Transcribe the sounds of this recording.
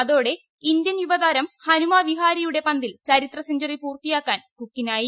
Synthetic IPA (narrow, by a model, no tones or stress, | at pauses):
ɐðo̞ːɽe̞ | ind̪jɐnjuʋɐðaːɾɐmhɐnumaːʋiɦaːɾɐjuɽe̞pɐnd̪ilt͡ɕɐɾit̪rɐsɐɲd͡ʑɐripuːrt̪ijaːkːaːnkukːinaːji